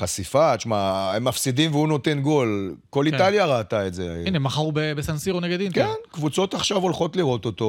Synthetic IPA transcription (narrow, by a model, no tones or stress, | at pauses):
χasifaʃmaemːafsid̪imveuno̞t̪e̞nɡo̞lko̞litaljaʁataetzeinmaχaʁubebesansiʁoneɡed̪imkenkvut͡so̞t̪aχʃavo̞lχo̞t̪liʁo̞t̪ot̪o̞